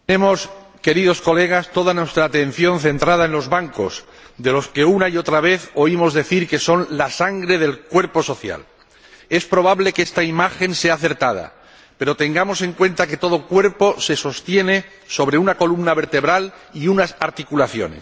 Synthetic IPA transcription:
emo̞s | ke̞ɾið̞o̞sko̞le̞ɣ̞ast̪o̞ðanwe̞st̪ɾaːt̪e̞n̟θjo̞nθe̞nt̪ɾað̞aẽnlo̞zβaŋko̞̰s | d̪e̞lo̞ske̞unaio̞t̪ɾaβ̞e̞θo̞imo̞zðe̞θiɾke̞so̞nlasaŋɡɾe̞ðe̞lkwe̞ɾpo̞so̞θja̰l | e̞spɾo̞βaβle̞kest̪aimaxe̞nse̞aːθe̞ɾt̪að̞a̰ | pe̞ɾo̞t̪e̞ŋɡamo̞se̞ŋkwẽ̞nt̪ake̞t̪o̞ð̞o̞kwe̞ɾpo̞se̞so̞st̪je̞ne̞ | so̞β̞ɾe̞unako̞lumnaβe̞ɾt̪e̞βɾaliunasaɾt̪ikulaθjo̞̰nḛs

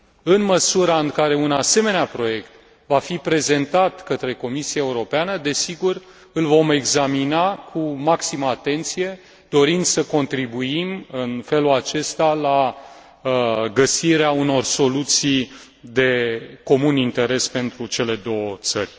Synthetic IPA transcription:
ɨnməsuɾaɨŋkaɾe̞unase̞meneapɾo̞je̞kt̪ | vafipɾe̞ze̞nt̪at̪kət̪ɾe̞ko̞misijaeuɾo̞peanəd̪e̞siɡur | ɨlvo̞me̞ɡzaminakʰumaksiməat̪e̞nt̪sije̞ | d̪o̞ɾind̪səko̞nt̪ɾibuimɨnfe̞lulat͡ʃe̞st̪ala | ɡəsiɾeauno̞rso̞lut̪sij | d̪e̞ko̞munint̪e̞ɾe̞spe̞nt̪ɾut͡ʃe̞le̞d̪o̞wət̪sərʲ

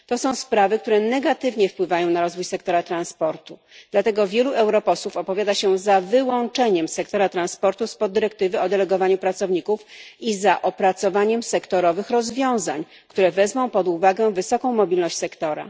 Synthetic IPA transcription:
t̪ɔsɔ̃w̃spɾavɘkt̪uɾɛnɛɡat̪ɘvɲɛfpwɘvajɔ̃w̃naɾɔzvujsɛkt̪ɔɾat̪ɾãnspɔɾt̪ud̪lat̪ɛɡɔvʲjɛluʔɛwɾɔpɔswufɔpɔvʲjad̪aɕɛzavɘwɔnt͡ʂɛɲɛmsɛkt̪ɔɾat̪ɾãnspɔɾt̪uspɔd̪ːɘɾɛk̚t̪ɘvɘɔd̪ɛlɛɡɔvaɲupɾat̪sɔvɲikufizaʔɔpɾat̪sɔvaɲɛmsɛkt̪ɔɾɔvɘxɾɔzvʲjɔ̃w̃zaɲ | kt̪uɾɛvɛzmɔ̃w̃pɔd̪uvaɡɛvɘsɔkɔ̃w̃mɔbʲilnɔɕt͡ɕʲsɛkt̪ɔɾa̰

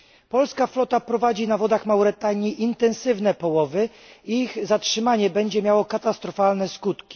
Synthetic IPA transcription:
pɔlskaflɔt̪apɾɔvad͡ʑinavɔd̪axmawɾɛt̪aɲiʔint̪ɛnsɘvnɛpɔwɔvɘ | iɣzatʂɘmaɲɛbɛɲd͡ʑɛmʲjawɔkat̪ast̪ɾɔfalnɛskut̪kʲi̥

